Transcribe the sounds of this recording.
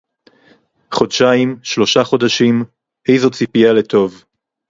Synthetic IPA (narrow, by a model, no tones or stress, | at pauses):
χo̞dʃajimʃlo̞ʃaχo̞daʃim | ʔejzo̞t͡sipijale̞t̪ʰo̞v